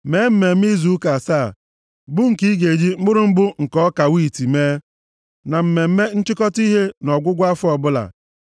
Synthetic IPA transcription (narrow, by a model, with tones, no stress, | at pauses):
me˨˦m̩˦˨me˨m̩˦i˦zu˨˦ka˨sa˦˨ | bʊ˦ŋ̩˨ki˦ɡe˨d͡ʒi˦m̩˦bʊ˦ɾʊ˦m̩˦bʊ˦ŋ̩˨kɔ˦ka˨wi˦˨ti˨meː˦ | na˨m̩˨me˨m̩˦me˦n̩˦t͡ʃɪ˦kɔ˦ti˦ɦe˦nɔ˨ɡʷʊ˦ɡʷa˦fʊ˦ɔ˨bʊ˦la̰˨